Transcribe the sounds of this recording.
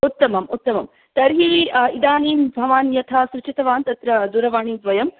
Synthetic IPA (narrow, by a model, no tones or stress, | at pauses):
ut̪ːɐmɐmut̪ːɐmɐm | t̪ɐɾɦiid̪aːniːmbʱɐʋaːnjɐt̪ʰaːsɾut͡ʃʰit̪ɐʋaːnt̪ɐt̪ɾɐd̪uːɾɐʋaːɳiːd̪ʋɐjɐm